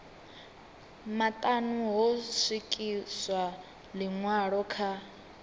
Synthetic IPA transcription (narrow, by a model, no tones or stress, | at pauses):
matʼanuɦɔsikʼiswa | liŋwaɺɔkʰa